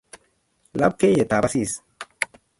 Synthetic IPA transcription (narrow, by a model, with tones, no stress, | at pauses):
la̰˦b̚ke˦je˨t̪a˨ba˦si˦˨s